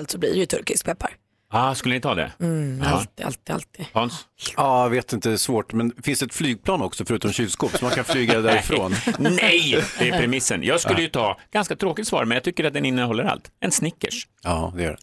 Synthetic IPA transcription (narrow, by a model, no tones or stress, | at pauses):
lt̪sɔblḭːɾɛjɵt̪ʰɵɾkɪsk̚pʰɛpːa̰ɾ | ɑskɵlːənɪt̪ʰɑːd̪ɛ̰at̪a̰lt̪ɪa̰lt̪ihɔnsɑːaveːt̪ɪnt̪əsvoːʈmɛnfɪnsd̪ɛt̪flyːɡ̚pʰlɑːnɔksɔfœɾʉ̟ːt̪ɔmɕylskoːpsɔmankʰanflyːɡad̪æɾɪfɾoːnnɛjd̪ɛæpʰɾɛmɪsːənjɑːɡskɵlːəjɵt̪ʰɑːɡ̥anskat̪ʰɾoːkɪt̪svɑ̰ːɾmɛnjɑɡt̪ʰʏkːəɾat̪̚d̪ɛnɪnːəɦɔlːəɾa̰lt̪ɛnsnɪkːə̰ʂ | ɑːd̪ɛjœ̰ɖɛ̰